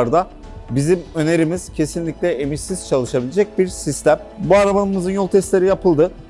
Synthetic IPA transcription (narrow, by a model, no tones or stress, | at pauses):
ɾd̪a | bizimø̞ne̞ɾimiz̥cʰe̞sinlʲicʲlʲɛemiʃsiz̥t͡ʃʰalˠɯʃabilʲed͡ʒɛc̚biɾsist̪ʰæm | buaɾabanɯmɯzɯnjo̞lˠt̪ʰɛst̪lʲeɾijapʰɯlˠd̪ɯ